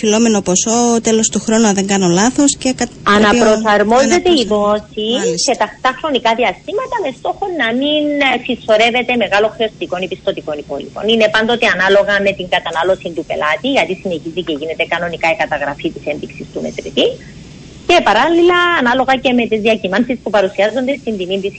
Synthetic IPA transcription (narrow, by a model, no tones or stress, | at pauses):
filo̞menoposo̞t̪elo̞st̪uxɾo̞nuɐðe̞ŋɡɐno̞lɐθoscekɐt̪ɐnɐɾo̞sɐɾmo̞ze̞t̪e̞iðo̞sise̞t̪ɐt̪ɐxɾo̞nikɐðiɐst̪imɐt̪ɐme̞st̪o̞xo̞nːɐminsiso̞ɾe̞ve̞t̪e̞me̞ɣɐloxɾeost̪iko̞nipist̪o̞t̪iko̞nipo̞lḭp̪o̞̰nine̞pɐnd̪o̞t̪eɐnɐlo̞ɣɐme̞t̪iŋɡɐt̪ɐnɐlo̞sint̪upe̞̰lɐt̪iʝɐt̪isine̞çiziceʝine̞t̪e̞kɐno̞nikɐekɐt̪ɐɣɾɐfit̪ise̞ndiksist̪ume̞̰t̪ɾit̪i | ce̞pɐɾɐlːilɐːnɐlo̞ɣɐce̞me̞t̪izðiɐcimɐnsispupɐɾusiɐzːo̞nd̪e̞st̪ind̪ininðis